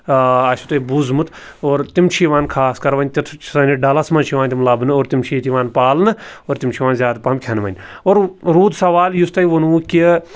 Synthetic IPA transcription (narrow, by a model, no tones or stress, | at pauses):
ɐʃʰut̪obuzmut̪ʰ | oːɾt̪imt͡ʃʰiːʋaːnkʰaːskɐɾʋɐnʲt̪it̪ʰt͡ʃʰsɐniɖaːlɐsmɐnt͡ʃʰiʋãːnʲt̪ʲimlaːbɨnɨoːɾt̪imt͡ʃʰiːt̪iʋaːnpaːlnɨoːɾt̪imt͡ʃʰiʋaːnzʲjaːd̪pɐmkʲʰɐnʋɐ̰nʲoːɾɾuːd̪sɐʋaːljust̪ɐiʋonuːki